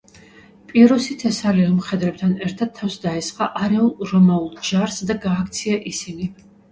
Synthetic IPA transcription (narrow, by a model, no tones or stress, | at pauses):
pʼiɛɾɔsit̪ʰɛsaliɔmχɛd̪ɾɛp̚t̪ʰanɛɾt̪ʰad̪̚t̪ʰːafsd̪aɛsqʼa̰ʔaɾɛulˠɾɔmaulˠd͡ʒaɾsd̪aɡaːkʰt̪sʰiaʔisini